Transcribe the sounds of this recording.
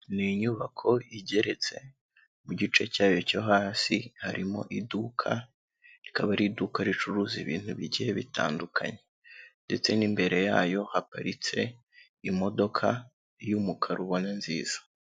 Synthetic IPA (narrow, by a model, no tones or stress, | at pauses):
niɲuβakʰo̞iɟe̞ɾe̞t͡se̞ | muɟit͡ʃe̞caːjo̞coɦaːsihaɾʔimo̞̰ʔidukʰa̰ | ɾikaβaɾidukaɾit͡ʃuɾuziβḭːn̥huβiɟijeβitʰa̰ːndukʰa̰ɲe̞ | nde̞t͡se̞nimbe̞ɾe̞jaːjo̞hapaɾit͡se̞ | imo̞do̞kʰa | jumukʰaɾuβo̞nanziːz̥a